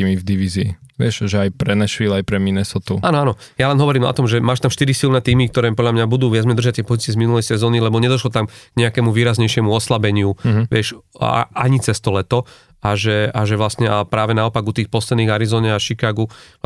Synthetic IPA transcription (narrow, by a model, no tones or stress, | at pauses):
imivd̪iʋiziːʋɪɛʃʒɛajpɾɛnɛʃʋilajpɾɛminɛsɔt̪uaːnɔaːnɔ | jalɛnɦɔʋɔɾiːmɔ̰t̪ɔmʒɛmaːʃt̪amʃt̪iɾisilnɛːt̪iːmik̚t̪ɔɾɛːpɔd̪lʎamɲabud̪uːʋɪad͡zmɛd̪r̩ʒac̚t̪ɪɛpɔzit͡sɪɛzminulɛjsɛzɔːnilɛbɔɲɛd̪ɔʃlɔt̪amɡ̥ɲɛakɛmuʋiːɾazɲɛjʃɪɛmuɔslabɛɲɪuʋɪɛʃʔaɲit͡sɛst̪ɔlɛt̪ɔ | aʒɛaʒɛʋlasɲɛapɾaːʋɛnaɔpaɡut̪iːxpɔslɛd̪niːɣaɾizɔːɲɛaʃikaːɡu